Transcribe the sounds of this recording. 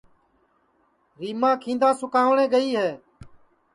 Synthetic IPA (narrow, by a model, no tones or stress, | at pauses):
ɾiːmãːkʰĩːnd̪ãːsʊkaːʋɳẽːɡəiːɦeː